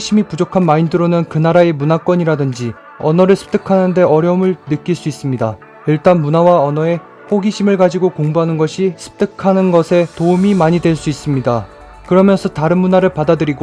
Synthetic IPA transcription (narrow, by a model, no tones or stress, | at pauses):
ɕʰimipud͡ʑokʰanmaindɯɾonɯnkɯnaɾae̞munak͈ʌɲiɾadɯnd͡ʑi | ʌnʌɾɯɭsʰɯ̥p̚t͈ɯkʰanɯnde̞ʌɾjʌumɯɭnɯk͈iɭs͈uis͈ɯmɲida | iɭt͈anmunawaʌnʌe̞ | ɸoɡiɕʰimɯɭɡad͡ʑiɡokoŋbuɦanɯnɡʌɕʰisʰɯ̥p̚t͈ɯkʰanɯnɡʌsʰe̞toumimaɲidwe̞ɭs͈uis͈ɯmɲida | kɯɾʌmjʌnsʰʌtaɾɯnmunaɾɯɭpadadɯɾiɡo